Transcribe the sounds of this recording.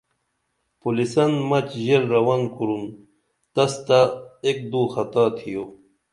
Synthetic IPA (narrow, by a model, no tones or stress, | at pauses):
pulisɐnmɐt͡ɕʑeɾːɐwankuɾun | t̪ɐst̪aek̚d̪uːxɐt̪aːt̪ʰijo